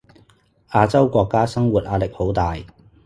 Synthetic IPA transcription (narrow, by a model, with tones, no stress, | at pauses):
aː˧t͡sɐ˥wkʷɔː˧kːaː˥sɐ˥ŋwuː˨t̚ʔaː˨˧lɪ˨k̚ho˨˥wt̪aː˨j